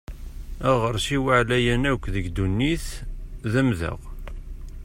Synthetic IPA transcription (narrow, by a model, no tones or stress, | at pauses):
æʁəɾˤsiwəʕlæjænækʷːðəɡd̪unːiθðæmðə̰ʁ